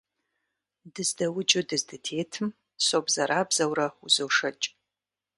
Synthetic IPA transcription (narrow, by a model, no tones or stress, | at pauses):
dɨzdɐwʊd͡ʒɪdɨzdɨtʰeːtʰɨm | sobzɐɾaːbzɐwrɐuzowʂɐt͡ʃʼ